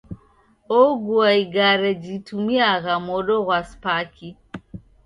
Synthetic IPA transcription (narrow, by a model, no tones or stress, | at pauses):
ɔɡuaiɡaɾɛd͡ʒitumiaɣamɔɗɔɣwaspakʰi